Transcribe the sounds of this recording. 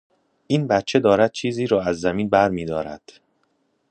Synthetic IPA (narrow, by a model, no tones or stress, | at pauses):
ʔiːnbæt̪̚t͡ʃʰe̞d̪ɒːɾæd̪̚t͡ʃʰiːziːɾɒːæzːæmiːnbæɾmiːd̪ɒːɾæ̰d̪̥